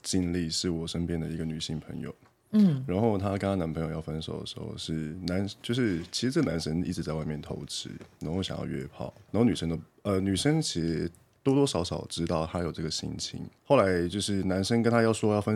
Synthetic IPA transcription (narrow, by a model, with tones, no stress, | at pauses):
t͡ɕi˥˧nli˥˧ʂɻ̩˥˩wɔ˨˩ʂə˥npjɛ˥nd̪ə˨i˧˥ɡə˧ny˨˩ɕi˥˩ŋpʰə̰˧˥ŋjo̰˨˩ʊ˥˩ | ɻa˧˥nxo˥˩ʊt̪ʰa˥ka˥na˥na˧˥npʰə˧˥ŋjo˨˩jɑ˥˩ʊfə˥nʂo˨˩ʊd̪ə̰˨˩ʂɻ̩˧˥xo̰˧ʊʂɻ̩˥˩na˧˥nt͡ɕjo˥˧ʊʂɻ̩˥˩t͡ɕʰi˧˥ʂɻ̩˧˥ʈ͡ʂə˥˩ə˩na˧˥nʂə˥nḭ˥˩ʈ͡ʂɻ̩˧˥t͡sa˥˧wa˥˧ɪmjɛ˥˩nt̪ʰo̰˧˥ʊʈ͡ʂɻ̩˧˥na˧˥nxo˥ʊɕjɑ̰˨˩ŋjɑ̰˥˧ʊɥɛ̰˥˧pʰɑ̰˥˩˦ʊna˧˥o˥˩ny˨˩ʂə˥ŋd̪ə˧ | ə˧ny˨˩ʂə˥ŋt͡ɕʰi˧˥ʂ̩˧˥ | t̪wɔ˥t̪wɔ˥ʂɑ˧˥ʊʂɑ˨˩ʊʈ͡ʂɻ̩˥t̪ɑ˥˩ʊt̪ʰa˥jo˨˩ʈ͡ʂə˥˩ɡə˩ɕḭ˥nt͡ɕʰḭ˧˥ŋxo˥˩ʊla˧˥ɪt͡ɕjo˥˧ʊʂɻ̩˥˩na˧˥nʂə˥nkə˥nt̪ʰa˥jɑ˥˩ʊʂwɔ˥˧jɑ˥˩ʊfə˥n